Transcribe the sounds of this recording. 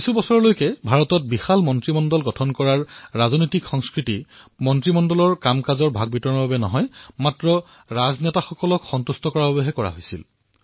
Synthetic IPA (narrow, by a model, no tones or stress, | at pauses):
kisubɔsɔɹɔlojkɛbʱaɹɔtɔt̚bixalmɔntɹimɔndɔlɡɔtʰɔnkɔɹaɹːaznojtikxɔŋskɹitimɔntɹimɔndɔlɔɹkamkazɔɹbʱaɡ̚bitɔɹnɔbabɛnɔ̰ɦɔjmatɹɔ | ɹaznɛtaxɔkɔlɔkxɔntustɔkɔɹababeɦɛkɔɹa̰ɦojsil